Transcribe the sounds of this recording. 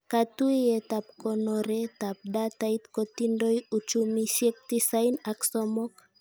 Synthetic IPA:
kat̪uiɛt̪ap̚kɔnɔɾɛt̪ap̚dat̪ait̪kɔt̪indojut͡ʃumisiɛk̚t̪isainaksɔmɔk

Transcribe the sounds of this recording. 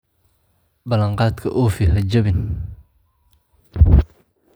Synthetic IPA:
bɐlɐɴqɑːt̪kʰɐ̰ʔoːfiɦɐd͡ʒɐβɪn

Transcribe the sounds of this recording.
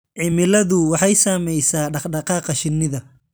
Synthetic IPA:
ʕɪmɪlɐðʊwɑħɑjsaːmɛjsaːɖɑqɖɑqɑːqɑʃɪnːɪðɐ

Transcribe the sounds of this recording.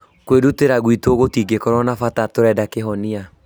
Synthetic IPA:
kweduteɾaɣwitoːɣotiɡekɔɾɔnafatatoɾɛːdakeɦɔnia

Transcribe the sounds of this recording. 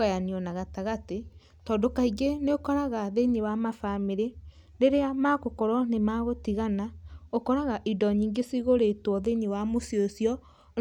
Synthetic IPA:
ɣajaniɔnaɣataɣate | tɔːndokaiɡeneokɔɾaɣaðeɲewamafameɾe | ɾeɾeamakokɔɾɔnemaɣotiɣanaokɔɾaɣaʔidɔɲiːŋɡesiɣoɾetwɔðeɲewamosiosjɔ

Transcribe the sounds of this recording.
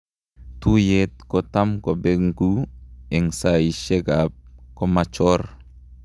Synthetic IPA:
tujet̚kɔtamkobeŋɡuɛŋsaiʃɛɡap̚komat͡ʃɔr

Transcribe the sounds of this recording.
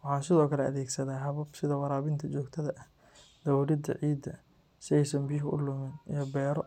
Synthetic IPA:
wɑħɑːnsɪðɔːkʰɐlɛɐ̰ðɛːɡsɐðaːɦɐβɐbsɪðɐwɑɾaːβɪnt̪ʰɐt͡ʃɔːɡt̪ʰɐðɐʔɐh | d̪̥ɐwuɾɪd̪ɐ̰ʕiːd̪ːɐ | sɪɛjsɐnbijɦʊʔʊ̰lʊmɪnijɞbɛːɾɔ

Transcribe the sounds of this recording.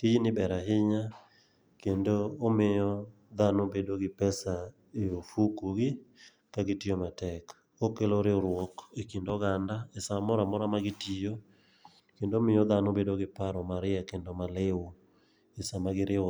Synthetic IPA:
tid͡ʒnɪbɛɾaɦɪɲa | kendoːmɪjɔ | d̪anobedoɡɪpɛsa | eofukoɡɪ | kaɡɪtɪjomatɛk | okeloɾɪoɾwɔkekindɔɡandaesamɔɾamɔɾamaɡɪtijo | kendoomɪɔðanobedoɡɪpaɾɔmaɾɪakendomalɪwo | ɪsamaɡɪɾɪ

